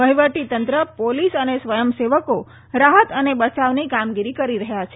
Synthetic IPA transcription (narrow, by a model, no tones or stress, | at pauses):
ʋəɦiʋəʈit̪ənt̪ɾəpolisənesʋəjəmseʋəko | ɾaɦət̪ənebət͡ʃaʋnikamɡiɾikəɾiɾəɦjat͡ʃʰe